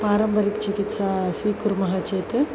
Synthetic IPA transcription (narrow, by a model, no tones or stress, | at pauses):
paːɾɐmbɐɾikt͡ʃɪkɪt̪saːsʋiːkuɾmɐɣɐt͡ʃeːt̪ɯ